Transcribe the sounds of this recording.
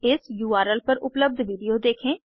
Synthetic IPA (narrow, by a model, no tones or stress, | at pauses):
ɪsjuːaːɾəlpəɾʊpləb̚d̪ʋiːɖijoːd̪eːkʰẽː